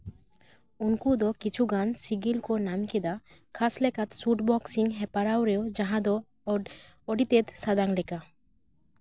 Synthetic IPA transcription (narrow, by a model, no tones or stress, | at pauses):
unkud̪ɔkit͡ʃʰuɡansiɡilkonamked̪akʰaslɛkat̪suʈbɔksiŋɦɛpaɾawɾewd͡ʒaɦãd̪ɔ | ɔɖit̪et̪sad̪aŋlɛka